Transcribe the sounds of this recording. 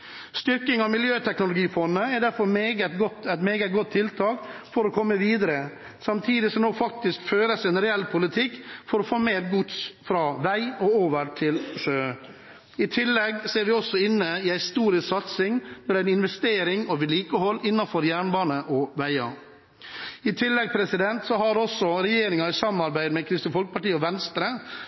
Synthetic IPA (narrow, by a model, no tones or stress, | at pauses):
st̪ʏɾkɪŋɑmɪljøːt̪ʰɛknʊlʊɡiːfɔnːəɛɾɖ̪æɾfɔɾmeːɡət̪ɡɔt̪æɪt̪meːɡəɡɔt̪ʰːɪlt̪ʰɑːkfɔɾɔkʰɔmːəʋiːd̪əɾə | sɑmt̪ʰiːd̪ɪsɔmnoːfɑk̚t̪ɪskføːɾəsɪnɾɛɛlːpʰʊlɪt̪ʰɪkːfɔɾɔfoːmeːɾɡʊt̪sfɾɑːʋæɪɔoːʋəɾʈ̪ʰɪlʂøː | ɪt̪ʰɪlːɛɡseːɾʋɪɔsːɔɪnːəɪæɪst̪uːɾɪsksɑt̪sɪŋnɔɖæɪnɪnʋɛst̪eːɾɪŋɔʋɪliːkəhɔlːɪnːɑnfɔɾjæːɳbɑːnəʔɔʋæɪɑ̰ | ɪt̪ʰɪlːɛɡ̚pʰɾɛsɪd̪ɛnt̪sɔhɑɾɔsːɔɾɛjeːɾɪŋɑɪsɑmnɑɾbæɪd̪mɛkʰɾɪsnəfɔlkəpʰɑʈiːəɔʋɛnst̪ɾə